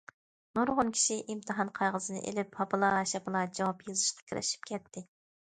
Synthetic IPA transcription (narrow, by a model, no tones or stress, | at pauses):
nuɾʁʊnkʲʰi̥ʃiʔimt̪ʰɨɦɑnqʰɑjʁəzɨnɨ̰ʔḛlɪphɑpɨlˠɑʃɛpɨlˠɑd͡ʒɑwɑpjɨzɨʃqɑ̥kʲʰiɾɪ̰ʃi̥pkʲʰɛt̪ʰːɪ